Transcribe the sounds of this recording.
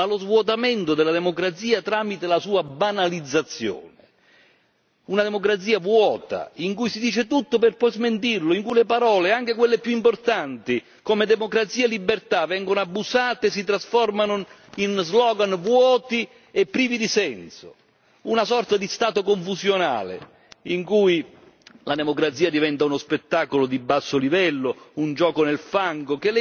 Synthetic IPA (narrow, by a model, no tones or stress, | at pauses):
alozvwɔt̪ament̪ʊd̪ɪlːad̪emokɾat̪siːat̪ɾaːmit̪elasuːabanalid̪zːat̪sːjo̰ːnɪ | unad̪emokɾat̪s̬iːavwɔːt̪a̰iŋkujsid̪iːt͡ʃɪt̪ut̪ːopɪrpɔjzment̪̬irlʊiŋkujlepaɾɔːleaŋk̟ekwelːepjuimport̪ant̪i | komed̪eɛmokɾat̪siːaelːibːert̪avɛŋɡonoabːusaːt̪eːs̬it̪ɾasfɔrmanʊ | inzlɔːɡanvwɔːt̪i | epːɾiːvid̪isɛnso̰ | unasɔrt̪ad̪ist̪aːt̪okoɱfusjona̰ːlḛ | iŋkuj | lad̪emokɾat̪siːad̪ivɛnt̪aunospet̪ːaːkolod̪ibːasːolivɛlːound͡ʒɔːkonelfaŋɡok̟el